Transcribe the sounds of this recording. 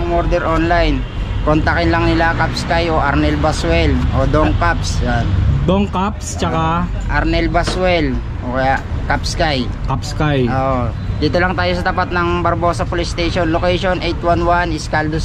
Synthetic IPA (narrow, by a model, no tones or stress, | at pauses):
ŋmoɾd̪ɛɾʔonlajn | kont̪akɪnlɐŋnɪlakap̚skajo̞ʔaɾnɛlbaswɛlʔo̞d̪oŋkapsjand̪oŋkapst͡ʃɐka | ʔɐɾnɛlbaswɛl | ʔokɐjaʔkap̚skaj | kapskajʔoːʔo | d̪iːt̪olɐŋt̪aːjosɐt̪ɐpat̪̚nɐŋbɐɾbosɐpolɪst̪ejʃonlokɛjʃonʔejt̪wanwanɪskald̪o